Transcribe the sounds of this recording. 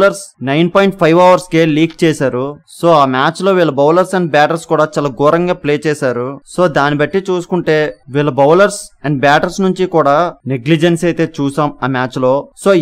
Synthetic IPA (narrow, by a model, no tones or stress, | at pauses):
lɐɾsnɐjnpoːjiɳʈ̚pʰɐjʋɐʋɐɾskeːliːkt͡ʃɛːsaːɾuso̞ːaːmaːt͡ʃlo̞ːʋiːɭːɐbɐwlɐɾsɐɳɖ̚baːʈɐɾskuːɽaːt͡ʃaːlaːɡɔːɾɐŋɡaːpleːt͡ʃɛːsaːɾuso̞ːd̪aːnibɐʈːit͡ʃuːsu̥kuɳʈe̞ːʋiːɭːɐbɐwlɐɾsɐɳɖbaːʈɐɾsnuɲt͡ʃikuːɽaːneɡlid͡ʒensɐjt̪e̞ːt͡ʃuːsaːmaːmaːt͡ʃlo̞ːso̞ː